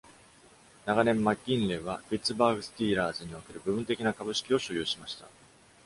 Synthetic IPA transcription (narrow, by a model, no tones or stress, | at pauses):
naɡanẽ̞mːakʲːĩnleβ̞apʲit͡sɨbaːɡɯ̟sɨ̥t̪ʲiːɾaːzɨɲ̟io̞ke̞ɾɯ̟bɯ̟bɯ̟̃nt̪e̞kʲinakabɯ̟ɕi̥kʲio̞ɕojʲɨːɕimaɕi̥t̪a̰